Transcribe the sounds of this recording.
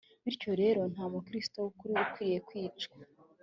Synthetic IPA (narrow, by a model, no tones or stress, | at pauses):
βiɾco̞ɾe̞ːɾo̞n̥haːmukɾisto̞wukuɾiukwiːɾije̞kwiːt͡ʃka